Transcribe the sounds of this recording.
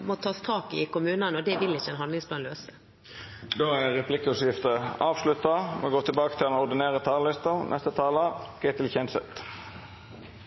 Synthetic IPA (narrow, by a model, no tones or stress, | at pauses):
mɔt̪ʰɑːst̪ʰɑːkɪkʊmʉːnənəɔd̪ɛʋɪlːɪçːəɛːnɦɑnd̪lɪŋspʰlɑːnløːsə | d̪oːæɾɛpʰlɪkəʉsjɪft̪əɑːʋslʉt̪ɑmɛɡoːt̪ʰɪlbɑːkət̪ʰɪlnɔʁd̪ɪneːɾət̪ʰɑːllɪst̪ənʔɛ̰st̪ət̪ʰɑːləɡ̥ɛt̪ʰɪlçɛnsə̰t̪